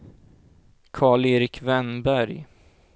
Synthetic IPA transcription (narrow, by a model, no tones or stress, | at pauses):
kʰɑːɭeːɾɪkʰvɛnbæɾj